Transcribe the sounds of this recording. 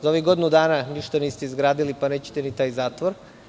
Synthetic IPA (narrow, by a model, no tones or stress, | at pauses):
zaoʋiɡo̞d̪inud̪aːnaniʃt̪aniːst̪eizɡɾaːd̪ilipaneːt͡ɕe̥t̪enit̪aːjzaːt̪ʋoɾ